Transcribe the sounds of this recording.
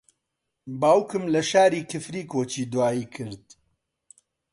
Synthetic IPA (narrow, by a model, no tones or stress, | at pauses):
baːwkɨmlɐʃaːɾiːkʰɨfɾiːkoːt͡ʃiːd̪waːiːkʰɨɾd̪̚